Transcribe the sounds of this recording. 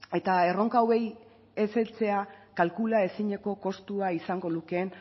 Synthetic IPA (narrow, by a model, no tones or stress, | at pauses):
e̞t̪aero̞ŋkawe̞j | e̞se̞lt͡se̞akalkulae̞siɲe̞ko̞ko̞st̪uaisaŋɡo̞luke̞n